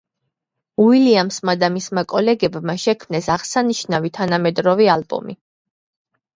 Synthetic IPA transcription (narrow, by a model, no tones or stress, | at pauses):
uiliamsmad̪amismakʼɔlɛɡɛbmaʃɛkʰmnɛsaʁsaniʃnavit̪ʰanamɛd̪ɾɔvialbɔ̰mḭ